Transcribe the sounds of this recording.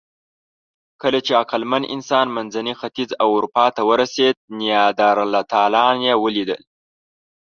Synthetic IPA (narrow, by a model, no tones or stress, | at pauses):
kəlat͡ʃeaqalmanʔɪ̰nsɑnmanzanixat̪izawʊɾupɑt̪awəɾased̪̚nijɑd̪ɑɾalːat̪ɑlɑnjewəlid̪ə̰l